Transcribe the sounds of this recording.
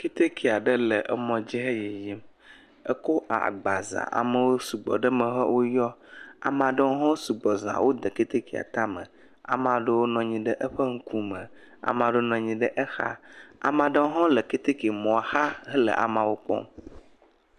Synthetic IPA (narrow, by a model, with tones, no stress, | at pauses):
ke˦t̪e˦kʰi˨a˨ɖə˦lə˨ʔə̰˦mɔ̃˨d͡ʑi˦ɦə˦je˨ji˦m | ə̰˦ko˦ʔa̰˨ɡ͡ba˨za̰˨ʔa̰˨mə˨wo˦su˨ɡ͡bɔ̰˨ɖə˦mə̃˨ɦɔ̰˦wo˦jɔ˦a̰˨mã˨ɖə˦wo˦ɦɔ̃˦su˨ɡ͡bɔ˨zã̰˨wo˦d̪ə˨ke˦t̪e˦ki˨a̰˨t̪a˦mə̰̃˨ | a̰˨mã˨ɖə˦wo˦nɔ̃˨ɲĩ˨ɖə˦ʔə˦ɸə˦ŋ̩˦kʰu˦mə̃˨ | a̰˨mã˨˦ɖə˦wo˦nɔ̃˨ɲĩ˨ɖə˦ʔə˦xa̰˦a̰˨mã˨ɖə˦wo˦ɦɔ̃˦lə˨ke˦t̪e˦ki˨mɔ̃˨a˨ha˦ɦə˦lə̰˨ʔa̰˨mã˨wo˦k͡pɔ̰̃˦m